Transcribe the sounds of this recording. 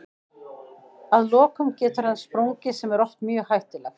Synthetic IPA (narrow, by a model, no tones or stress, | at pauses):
aðlɔːkʏmcɛːt̪ʏɾhanːspɾowŋcɪsɛmɛɾɔht̪mjœɣhajht̪ɪlɛx